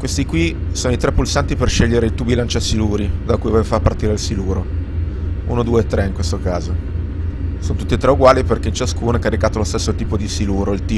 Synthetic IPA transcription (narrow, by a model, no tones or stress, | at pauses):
kwest̪ikwisoːnoit̪ɾɛpːulsant̪iperʃɛʎːeɾeilt̪ubilant͡ʃasiluːɾid̪akuːjavevofapːart̪iːɾelsiluːɾo | unod̪uːeːt̪ːɾɛiŋkwest̪okaːzo | soːnot̪ut̪ːiet̪ɾɛuɡwaːliperk̟eint͡ʃaskuːnoɛkːaɾikaːt̪olost̪esːot̪iːpod̪isiluːɾoilt̪iː